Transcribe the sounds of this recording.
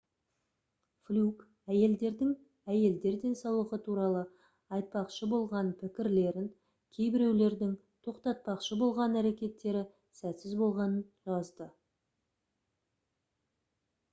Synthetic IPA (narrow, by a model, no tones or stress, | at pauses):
flʲuk | æje̞ld̪e̞ɾd̪ɪŋ | æje̞ld̪e̞ɾd̪e̞nsɑwəʁət̪ʰuɾɑlˠə | ɑjt̪̚pɑqʃəbo̞lˠʁɑnpʰɪkʲɪɾle̞ɾɪŋ | kʲʰe̞jbɪɾe̞wle̞ɾd̪ɪŋ | t̪ʰo̞qt̪ɑt̪̚pɑqʃəbo̞lˠʁɑnæɾe̞kʲe̞t̪ːe̞ɾɪ | sæt̪sɪzbo̞lˠʁɑnənʒɑzd̪ə